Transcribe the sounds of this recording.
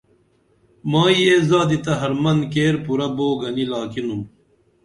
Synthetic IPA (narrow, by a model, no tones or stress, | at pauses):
mãːjeːzaːd̪it̪ɐɦɐɾmɐnkeːɾpuɾɐboːɡɐnilaːkinum